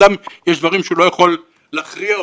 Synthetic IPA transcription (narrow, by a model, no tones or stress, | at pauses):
amjeʃd̪vaʁimʃeulo̞jaχo̞lː | aχʁia